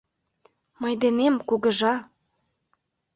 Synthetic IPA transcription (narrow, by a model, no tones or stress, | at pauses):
mɤjd̪enemkuɣə̆ʒɑ